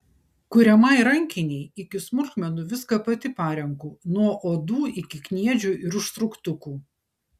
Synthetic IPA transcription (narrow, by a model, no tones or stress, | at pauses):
kʊɾʲɛmɐɪɾɐŋʲkʲɪnʲɛɪɪkʲɪsmʊlʲkmʲɛnʊʋʲɪskɐpɐt̪ʲɪpɑːɾʲɛŋkuːnuɔʔoːd̪uːɪkʲɪknʲiɛd͡ʒʲʊʔɪɾʊʃst̪ɾʊkt̪ʊkuː